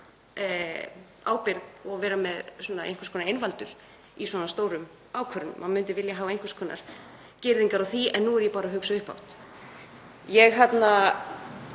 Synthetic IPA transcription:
aːwpɪɾðɔɣvɛːɾamɛðsɔnaḛjn̥kʰʏ̥skʰɔnaɾejnvalt̪ʏɾ̥ | iswɔːnast̪owɾʏm | aːwkʰœɾʏnmanmʏnt̪̬ɪvɪljaɦaːvaejŋkʏ̥skʰɔːnʔa̰ɾ̥ | cɪɾðiŋkaɾawθiɛ̰nːuɛɾjɛpaːɾaɦʏksaʏhpa̰wt̪ | jɛɣɦat̪na

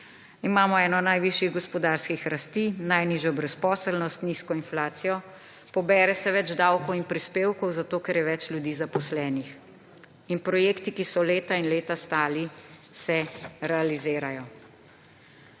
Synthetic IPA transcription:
imaːmɔɛːnɔnajʋiʃjiɣɡɔspɔd̪aːɾskixɾast̪iːnajniːʒjɔbɾɛspɔːsəlnɔst̪niskɔinflaːt̪sijɔ | pɔbɛːɾɛsɛʋɛd͡ʒd̪awkɔwinpɾispeːwkɔwzat̪oːkɛɾjɛʋɛt͡ʃljud̪iːzapɔslɛːnix | inpɾɔjeːkt̪ikisɔleːt̪ainleːt̪ast̪aːlisɛɾɛalizeːɾajɔ

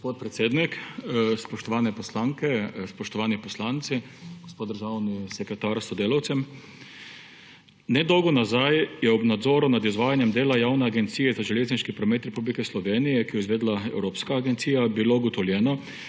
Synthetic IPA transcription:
ɡspoːt̪̚pɾɛt̪seːd̪nikspɔʃt̪ɔʋaːnɛpɔslaŋkɛspɔʃt̪ɔʋaːnipɔslaːnt̪si | ɡ̥ospoːd̪əɾʒawnisɛkɾɛt̪aːɾsɔd̪eːlawt̪sɛm | nɛd̪ɔwɡɔnazajjɛɔbnad̪zɔːɾunad̪izʋaːjanjɛmd̪eːlajaːwnɛaɡɛnt̪siːjɛzaʒɛleːzniʃkipɾɔmeːt̪ɾɛpublikɛslɔʋeːnijɛkijɔizʋeːd̪laɛ̰wɾoːpskaːɡɛnt̪siːjabiloɡɔt̪ɔwljɛːnɔ

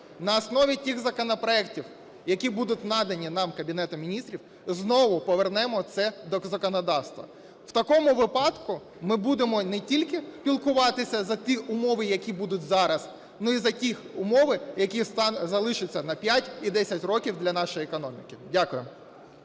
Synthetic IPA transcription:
nɐːsnɔʋʲitʲiɣzɐkɔnɔpɾɔɛktʲiw | jɐkʲibud̪ʊt̚ʲnɑd̪ɐnʲinɑmkɐbʲinɛt̪ʊmʲinʲist̪ʲɾʲiw | znɔʋʊpɔʋernɛmɔt̪sɛd̪ɔzɐkɔnɐd̪ɑwst̪ʋɐ̰ | w̥t̪ɐkɔmʊʋɪpɑdt̪kʊ | mɪbud̪emɔnetʲilʲkɪpʲilˠkʊʋɑt̪ɪsʲɐzɐt̪ʲiʔʊmɔʋɪjɐkʲibud̪ʊtʲzɑɾɐz | nʊizɐtʲixʊmɔʋɪjɐkʲist̪zɐlˠɪʃɪt͡sʲːɐnɐpʲjatʲid̪ɛsʲɐtʲrɔkʲiwd̪lʲɐnɑʃɔjekɔnɔmʲɪkɪdʲakʊjʊm

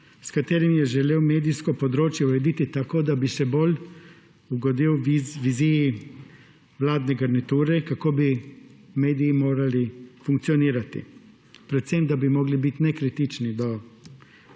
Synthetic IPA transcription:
skat̪eːɾimjɛʒɛleːwmeːd̪ijskopod̪ɾoːt͡ʃjɛuɾɛd̪it̪it̪akoːd̪abisɛbolʲ | uɡod̪iwʋiziji | ʋlaːd̪nɛɡaɾnit̪uːɾɛkakoːbimeːd̪iːmoːɾalifuŋkt̪sijoniːɾat̪ḭ | pɾɛt̪semd̪abimoɡlibit̪nɛkɾit̪it͡ʃnid̪o

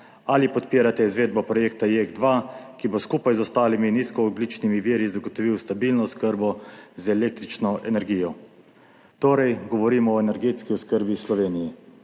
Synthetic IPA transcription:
alipɔt̪piːɾat̪ɛizʋeːd̪̚bɔpɾɔjeːkt̪ajeɡd̪ʋaːkiboskupajzɔst̪aːliminiskɔːb̪lit͡ʃnimiʋiːɾizaɡɔt̪ɔʋiwst̪abiːlnɔskəɾbɔzɛleːk̚t̪ɾit͡ʃnɔʔɛnɛɾɡiːjɔ | t̪oːɾɛjɡɔʋɔɾiːmɔːɛnɛɾɡeːt̪skiɔskəɾbislɔʋeːnijɛ

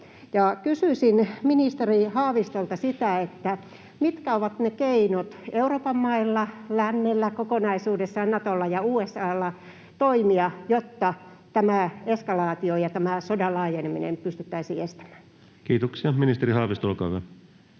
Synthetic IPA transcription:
jɑkysysinminist̪erihɑːʋist̪olt̪ɑsit̪æet̪ːæ | mit̪kæoʋɑt̪nekeinot̪euroːpɑmmɑilːɑlænːelːækokonɑisuːdesːɑnnɑt̪olːɑjɑuːesːɑːlːɑ | t̪oimiɑjot̪ːɑ | t̪æmæeskɑlɑːt̪iojɑt̪æmæsodɑlɑːjeneminḛmpyst̪yt̪ːæisiːest̪æ̥m̥æ̥ːn | kiːt̪oksiɑminist̪eɾihɑːʋist̪olkɑuʋɑ

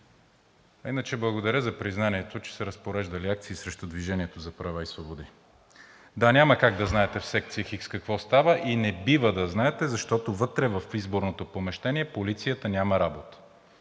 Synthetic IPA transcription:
ɐinət͡ʃɛblˠɐɡod̪ɐɾʲəzɐpɾiznanʲiɛt̪ot͡ʃɛ̥sɛɾəspoɾɛʒd̪ɐliak̚t̪siːsɾɛʃt̪od̪viʒɛnʲiɛt̪ozɐpɾɐvaisvobod̪i | d̪anʲaməkaɡ̚d̪ɐznaɛt̪ɛfsɛk̚t̪sijəxikskɐkvɔst̪avəʔinɛbivəd̪ɐznaɛt̪ɛzɐʃt̪ɔt̪ovɤt̪ɾɛvɐfizboɾnot̪opomɛʃt̪ɛnʲiɛpolit̪sijət̪ənʲamɐɾabot̪ə̥

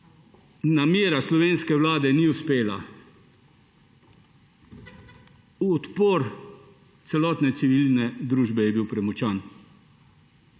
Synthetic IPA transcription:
nameːɾaslɔʋeːnskɛwlaːd̪ɛniuspeːla̰ | uɔt̪poːɾ | t̪sɛlɔːt̪nɛt̪siʋilnɛd̪ɾuːʒbɛjɛbiwpɾɛmut͡ʃaːn

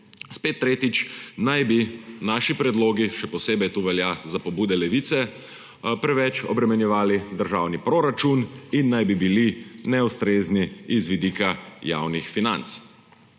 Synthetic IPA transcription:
spet̪ːɾeːt̪it͡ʃnajbinaːʃipɾɛd̪loːɡiʃɛpɔseːbɛjt̪uːʋɛljazapɔbuːd̪ɛlɛʋit̪sɛ | pɾɛʋɛt͡ʃɔbɾɛmɛnjɛʋaːlid̪əɾʒawnipɾoːɾat͡ʃuninːajbibilinɛust̪ɾeːzniizʋid̪iːkaja̰wnixfina̰nt̪s

